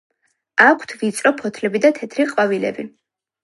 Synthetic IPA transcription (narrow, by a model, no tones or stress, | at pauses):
akʷʰt̪ʰvit̪sʼɾɔpʰɔt̪ʰlɛbid̪at̪ʰɛt̪ʰɾiqʼwavilɛ̰bi